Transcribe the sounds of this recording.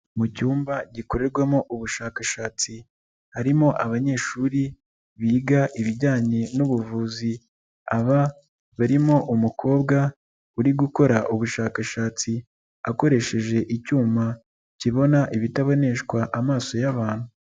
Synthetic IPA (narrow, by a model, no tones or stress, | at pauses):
mucuːmbaɟiko̞ɾe̞ɾɡwemoʔuβuʃaːkaʃaːt͡si | haɾimo̞ʔaβaɲe̞ːʃuːɾi | βiːɡaʔiβiɟaːɲe̞nuβuvuːzi | aβa | βaɾimo̞ʔumukʰo̞ːbɡa | uɾiɡuko̞ɾaʔuβuʃaːkaʃaːt͡si | ako̞ɾe̞ʃe̞ʒe̞ʔicuːma | ciβo̞naʔiβitaβo̞ne̞ʃkwaʔamaːso̞jaβaːn̥hu